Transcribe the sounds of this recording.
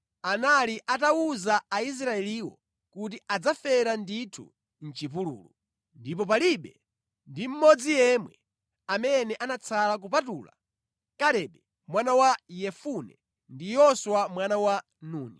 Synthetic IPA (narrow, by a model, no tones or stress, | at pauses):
analiʔatawuzaːis̬ɾaɛliwɔ̰ | kut̬iʔad͡zafɛɾanditʰṵ | n̩t͡ʃip̬ulṵːlu | ndipɔp̬aliɓɛ | ndim̩mɔd͡zijɛmwɛ | amɛnɛʔanat͡sʰalak̬upatuːla̰ | kalɛɓɛ | mwanawajɛfunɛ̰ | ndijɔswamwanawa | nuːni